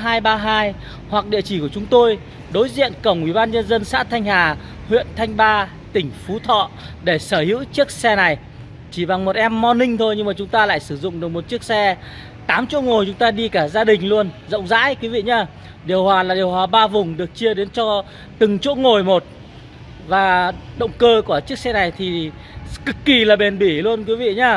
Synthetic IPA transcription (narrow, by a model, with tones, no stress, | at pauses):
ɦaː˧jɓaː˧ɦaː˧j | hwa˨˩k̚ɗḭ˧˨ət͡ɕi˧˩ku˧˩ət͡ɕʊ˨˦ŋ͡mt̪o˧j | ɗo˨˦jzḭ˧˨ənkə˧˩wŋ͡mʔwḭ˧˩ɓaː˧nɲə˧nzə˧nsa̰ː˧˥t̪ʰa˧jŋ̟haː˨˩ | hwḭ˧˨ənt̪ʰa˧jŋ̟ɓaː˧ | t̪ï˧˩ŋ̟fu˨˦t̪ʰɔ̰˧˨ɗe˧˩səː˧˩hḭ˧˥wt͡ɕi˦˥ək̚sɛ˧na˨˩j | t͡ɕi˧˩ɓa˨˩ŋmo˨˩t̚ʔɛ˧mːɔ˧nï˧ŋ̟t̪ʰo˧jɲɨ˧ŋmaː˨˩t͡ɕʊ˨˦ŋ͡mt̪aː˧la̰ː˧˨jsɨ˧˩zʊ̰˧˨ŋ͡mɗɨ˨˩ək̚mo˨˩t̚t͡ɕi˦˥ək̚sɛ˧ | t̪aː˨˦mt͡ɕo̰˧˥ŋo˨˩jt͡ɕʊ˨˦ŋ͡mt̪aː˧ɗi˧kaː˧˩zaː˧ɗï˨˩ŋ̟lu˧ənzə̰˧˨wŋ͡mza̰ː˧˥jkwi˨˦vḭ˧˨ɲaː˧˩ | ɗi˨˩əwhwaː˨˩laː˨˩ɗi˨˩əwhwaː˨˩ɓaː˧vʊ˨˩ŋ͡mɗɨ˨˩ək̚t͡ɕɨ˧əɗe˨˦nt͡ɕɔ˧ | t̪ɨ˨˩ŋt͡ɕo̰˧˥ŋo˨˩jmo˨˩t̚ | vaː˨˩ɗə̰˧˨wŋ͡mkəː˧ku˧˩ət͡ɕi˦˥ək̚sɛ˧na˨˩jt̪ʰi˨˩ | kɨ˨˩kːi˨˩laː˨˩ɓe˨˩nɓi˧˩lu˧ənkwi˨˦vḭ˧˨ɲaː˧